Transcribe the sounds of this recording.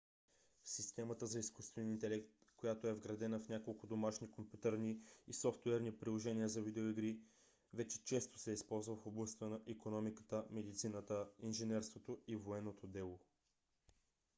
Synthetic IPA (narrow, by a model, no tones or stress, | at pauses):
sist̪ɛmət̪əzɐiskust̪vɛnint̪ɛlɛkt̪kojat̪oɛvɡɾɐd̪ɛnəfnʲakolˠkʊd̪omaʃnikompʲjut̪əɾniːsɔft̪wɛɾnipɾilˠoʒɛniəzɐvid̪ɛoiɡɾi | vɛt͡ʃɛ̥t͡ʃɛst̪o̥sɛispɔlˠzvəfoblˠɐst̪ənɐʔikonɔmikə̥t̪əmɛd̪it̪sinət̪əinʒɛnɛɾst̪vot̪oivoɛnːot̪od̪ɛlˠo